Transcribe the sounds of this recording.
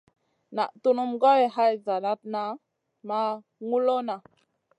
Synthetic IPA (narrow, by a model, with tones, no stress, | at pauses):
na˨ʔtu˦nu˦mɡa˦we˨ha˦jza˨na˦t̚na˦ | ma˦ | ŋu˦lo˦na˨